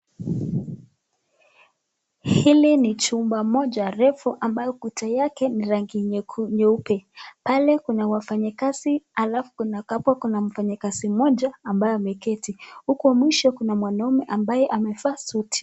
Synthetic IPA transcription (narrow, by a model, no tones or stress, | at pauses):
hilinit͡ʃumbamɔʄaɾɛfuʔambajɔkutʰajakɛniɾaŋɡiɲɛupɛpalɛkunawafaɲikaz̥ialafu̥kunakapwakunam̩faɲikazimɔʄaːmbajɔamɛkɛtihukuamwiʃɔkunamwanaumɛʔambajɛʔamɛfaːsutʰi̥